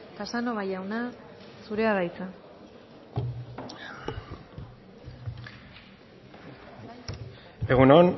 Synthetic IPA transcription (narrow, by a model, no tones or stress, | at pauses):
t̪asanoβajawna | suɾe̞aɾajt͡sa | eɣunon